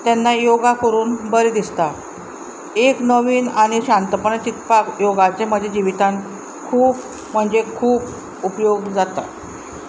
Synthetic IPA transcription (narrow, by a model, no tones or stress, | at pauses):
t̪ɛnːajoɡakəɾuːnbəɾed̪ist̪a | eknəʋiːnaɽ̃iɕãnt̪əpəɳt͡ɕit̪pakjoɡat͡sem̤əd͡ʑʱed͡ʑiʋit̪ãn | kʰuːp̚ | m̤əɳd͡zekʰuːp | upjoɡd͡zat̪a̰